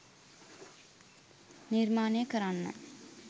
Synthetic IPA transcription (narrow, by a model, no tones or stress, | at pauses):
niɾmaːnekɐɾanːɐ̰